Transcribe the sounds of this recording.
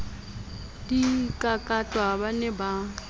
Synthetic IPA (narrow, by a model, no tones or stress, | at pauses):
dikʼakʼatʼwabanɛba